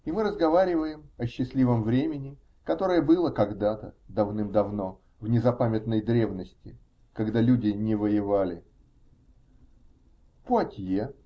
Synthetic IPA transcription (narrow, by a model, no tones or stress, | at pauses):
imɨɾəzɡɐvaɾʲɪvəjɪmɐɕːɪsʲlʲivəmvɾʲemʲɪnʲɪ | kɐt̪o̞ɾəjəbɨlˠəkɐɡd̪at̪əd̪ɐvnɨmd̪ɐvno̞ | vnʲɪzɐpamʲɪt̪nəjd̪ɾʲe̞vnəsʲtʲɪ | kɐɡd̪alʲudʲɪnʲɪvəjɪvalʲɪ | poɐtʲje